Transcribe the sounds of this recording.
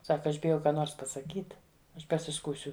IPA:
ˈsɑːkɐ ˈɐʃ bʲɪˈjɛʊ ˈkɑː ˈnoːrs pɐsɐˈkʲiːt ˈɐʃ pɐsʲɪˈskuːsʲʊ

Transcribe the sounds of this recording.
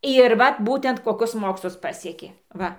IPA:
ɪr ˈʋɐt ˈbuːtʲɛnt koːˈkʊs ˈmoːkslˠʊs ˈpɑːsʲiɛkʲeː ˈʋɐ

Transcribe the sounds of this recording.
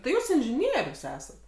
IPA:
tɐɪ ˈjuːs ɪnʲʒʲɪˈnʲiɛrʲʊs ˈæːsɐt

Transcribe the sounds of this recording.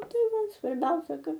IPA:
ˈtɐɪ ˈʋɐ sʋɐrʲˈbʲɛʊsʲɛ ˈkɐt

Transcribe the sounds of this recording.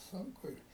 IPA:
ˈsʊŋkʊ ɪ

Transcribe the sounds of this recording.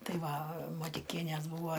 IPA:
ˈtɐɪ ˈʋɐ mɐtʲɪˈkʲiɛnʲeːs ˈbuːʋoː

